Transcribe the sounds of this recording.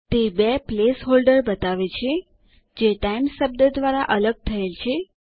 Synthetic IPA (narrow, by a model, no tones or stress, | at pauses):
t̪ebeplesɦolɖəɾbət̪aʋet͡ʃʰe | d͡ʒeʈajmsəb̚d̪əd̪ʋaɾaʔələɡ̚t̪ʰəelt͡ʃʰe